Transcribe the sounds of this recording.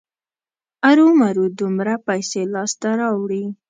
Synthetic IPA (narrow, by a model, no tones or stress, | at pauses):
aɾumaɾud̪ʊmɾapajselɑst̪aɾɑwɽi